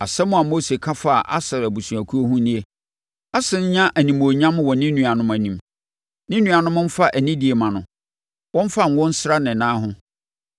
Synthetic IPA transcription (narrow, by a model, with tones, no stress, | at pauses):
a˨sɛ˦mʊ̃˨a˨mo˦se˨kʰa˦fa˦˨ʔa̰˦sɛ˨ɾæ˨bu˨sũ˨æ˨kʰu˦o˦ɦũ˦nĩ˦e˦ | a˦sɪ̃˨ɲ˦ɲã˦ʔæ˨nĩ˨mo˨ɲã˦m˦wɔ˨nɪ̃˦nũ˨a˨nʊ̃˦mæ˨nĩ˨m | nɪ̃˦nũ˨a˨nʊ̃˦mʊ̃˦m̩˦fa˦ʔæ˨nĩ˦di˨e˨mã˨nʊ̃˨ | wɔ̃˦m̩˦fa˦ŋ̩˨˦wɔ̃˦n̩˦sɾa˦nɪ̃˨nãː˦ɦʊ̃˦